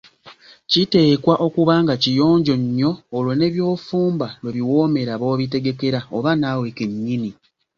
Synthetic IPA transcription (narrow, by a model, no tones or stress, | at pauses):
cite̞ːkwaʔo̞kuβaːŋɡacijo̞ːɲɟo̞ɲːo̞ːlwone̞βjo̞ːfuːmbalweβiwo̞ːme̞ɾaβo̞ːβite̞ɡe̞ke̞ɾaoβanaːwekeɲːini